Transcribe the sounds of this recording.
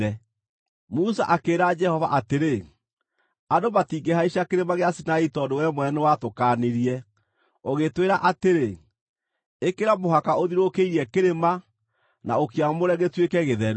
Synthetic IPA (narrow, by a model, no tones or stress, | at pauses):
ɛ | musaʔakeɾad͡ʒɛhɔvaʔateɾe | adomatiɡehaiʃakeɾemaɣeasinaitɔdowɛmwɛnewatokaneɾiɛ | oɣetweɾaʔateɾe | ekeɾamoɦakaoðiɾokeiɾɛkeɾema | naokeamoɾɛɣetwekɛɣeðɛɾ